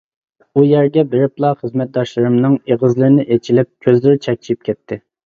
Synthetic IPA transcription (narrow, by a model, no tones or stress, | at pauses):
ujɛɾɡʲɛbeɾɪplˠɑχəzmɛt̪̚d̪ɑʃlˠɨɾɨmnɨŋeʁəzlˠɨɾɪnɪʔet͡ʃʰilɪp̚kʲʰøzlɪɾɪt͡ʃʰɛk̚ʲt͡ʃʰip̚kʲʰɛt̪ʰːɪ